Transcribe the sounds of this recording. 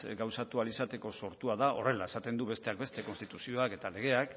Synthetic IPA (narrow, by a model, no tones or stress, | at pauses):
ɡawsat̪ualisat̪e̞ko̞so̞ɾt̪uaðaʔo̞re̞lae̞sat̪e̞nd̪uβe̞st̪e̞ak̚best̪e̞ko̞nst̪it̪usio̞ake̞t̪ale̞ɣ̞e̞ak